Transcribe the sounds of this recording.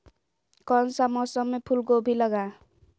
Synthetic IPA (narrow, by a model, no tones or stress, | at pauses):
kʌnsamʌsʌmːepʰulɡobʱilʌɡa